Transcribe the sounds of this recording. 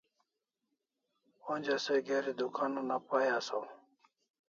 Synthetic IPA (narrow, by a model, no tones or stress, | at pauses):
onʲd͡ʑaseɡeɾid̪ukaːnonapajaso